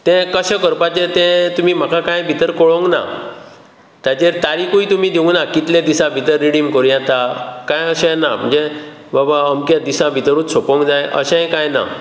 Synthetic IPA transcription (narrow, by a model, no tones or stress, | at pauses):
t̪ɛ̃kəɕẽkəɾpat͡ɕet̪ɛ̃t̪um̤iːm̤akʰãkãjbʱit̪əɾkɔɭoŋɡna̰ | t̪at͡ɕeɾt̪aɾikũjt̪um̤id̪iũŋɡnakit̪lad̪isãbʱit̪əɾːiɽimkoɾjãt̪akãjəɕɛ̃nam̤əɳd͡zebabaəmkjad̪isãbʱit̪ɾuːt͡ssopə̃ŋɡd͡zãjʔə̰ɕɛ̃kãjna̰